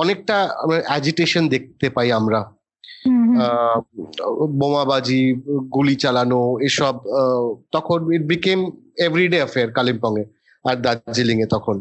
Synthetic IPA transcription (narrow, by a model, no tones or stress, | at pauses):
ɔnek̚ʈamaeʔɛd͡ʑiʈeʃond̪ek̚t̪epaiamɾa | bomabad͡ʑiɡulit͡ɕalanoeʃɔb̚t̪ɔkʰoniʈ̚bikem | evɾiɖeafeaɾkalimpɔŋe | aɾd̪ad͡ʑiliŋet̪ɔkʰon